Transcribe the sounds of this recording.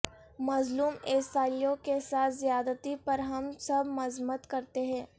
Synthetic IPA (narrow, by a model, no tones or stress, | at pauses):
mɐzluːmeːsaːlijõkesaːt̪ʰzijaːd̪ət̪ipɐɾɦɐmsɐbmɐzmət̪kɐɾt̪eɦɛ̃ː